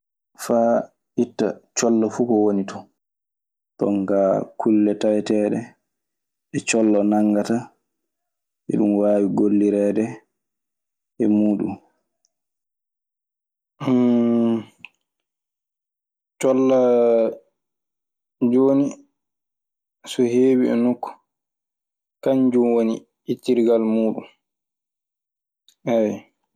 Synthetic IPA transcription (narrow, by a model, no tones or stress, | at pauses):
fa | hitːa̰t͡ʃɔlːɔfukɔwonitɔ | tɔ̰ŋkakʰulːɛtajɛtɛːɗɛ | ɛt͡ʃɔlːɔnaŋːɡata | ʔɛ̰ɗumwaːwiɡolːiɾɛdɛ | ɛmuːɗṵm | t͡ʃɔlːa | d͡ʒoːni | sɔheːwiɛ̰nukːɔ̥ | kaɲd͡ʒumwonḭ | itːiɾɡalmuːɗṵm | ɛwɛ